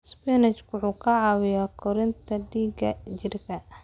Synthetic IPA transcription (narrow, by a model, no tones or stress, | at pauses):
spɛnɛt͡ʃkʊħuːkʰɐʕɑwɪjɔkʰɔɾɪnt̪ʰɐɖiːɡɐt͡ʃɪrkʰɐ